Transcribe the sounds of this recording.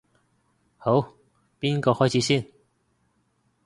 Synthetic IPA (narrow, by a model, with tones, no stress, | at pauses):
ho˨˥w | piː˥nkɔː˧hɔː˥jt͡sʰi˨˥siː˥˩n